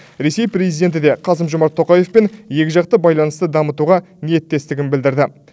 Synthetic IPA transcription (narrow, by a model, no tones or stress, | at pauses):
ɾe̞se̞jpɾʲe̞zijd̪e̞nt̪ɪd̪e̞qʰɑs̬əmʒomɑɾt̪ʰːo̞qɑje̞fpenje̞kʲɪʒɑq̚t̪əbɑjlˠɑnəst̪əd̪ɑmət̪uʁɑnije̞t̪ːe̞st̪ɪɡʲɪnbɪld̪ɪɾd̪ɪ